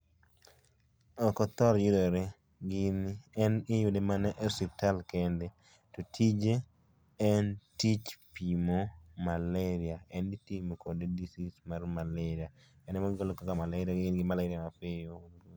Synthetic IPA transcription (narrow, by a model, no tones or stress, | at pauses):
ɔkɔt̪ɔɾjidoɾe | ɡɪnɛnɪjʊdemanɛʔɛsitalkende | totʰid͡ʒeː | ntit͡ʃpimomaleɾiaɛnitimokʰodedisismarmaleɾiaɛnɛmaɡolokakamalaɾiaɡɪnɡɪmalaɾiamapejo